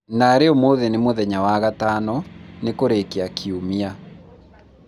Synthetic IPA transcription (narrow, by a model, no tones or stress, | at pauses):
naɾeomoðenemoðɛɲawaɣatanɔnekoɾekeakʰiumia